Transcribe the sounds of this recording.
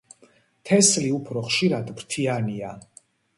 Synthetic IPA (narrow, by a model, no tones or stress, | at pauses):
t̪ʰɛsliupʰɾɔχʃiɾad̪bɾt̪ʰiania